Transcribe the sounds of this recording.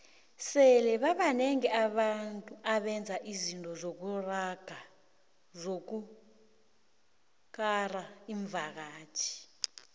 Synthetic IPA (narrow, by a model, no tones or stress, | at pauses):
sɛlɛβaβanɛŋɛaβantʼuaβɛnd͡zʱaʔizintʼɔzok̬uraɡ̥ʱa | zok̬u | k̬ʼaraiɱvʱak̬aːt͡ʃʰi̥